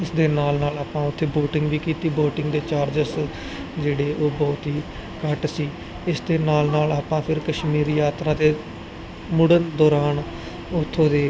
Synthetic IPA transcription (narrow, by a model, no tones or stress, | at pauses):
ɪsd̪eːnaːlnaːlaːpãːʊt̪ʰːeːboːʈɪŋɡʋiːkiːt̪iːboːʈɪ̃ŋɡd̪eːt͡ʃaːɾd͡ʒəs | d͡ʒeːɽeːʔoːbɔːt̪ɦiː | kəʈsiː | ɪsd̪eːnaːlnaːlaːpãːpʰɪɾkəʃmiːɾiːjaːt̪ɾãːd̪eː | mʊɽənd̪ɔːɾaːn | ʊt̪ʰːõːd̪eː